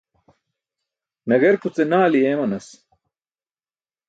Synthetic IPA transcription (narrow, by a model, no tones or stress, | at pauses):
nɐɡeɾkut͡senaːliemɐnɐs